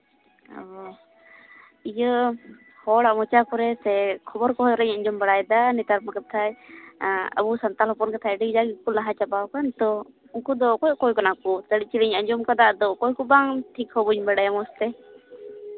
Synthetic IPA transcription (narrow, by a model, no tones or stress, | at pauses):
ɔ̰ | ijə | hɔɽaʔmɔt͡ʃakɔɾɛsɛkʰɔbɔɾkɔɦɔjɾɛɲəɲd͡ʒɔmbaɽajd̪anit̪aɾmakɛp̚t̪ʰaj | ə̰busant̪alɦɔpɔnkat̪ʰajɖiɡd͡ʒaɡikulaɦat͡ʃabawkant̪ɔ | uŋkud̪ɔkɔjʔkɔjkanakɔt̪əɽit͡ʃilɛɲəɲd͡ʒɔmkad̪aʔd̪ɔkɔjkɔbaŋʈʰikhɔbuɲbaɽajamɔst̪ɛ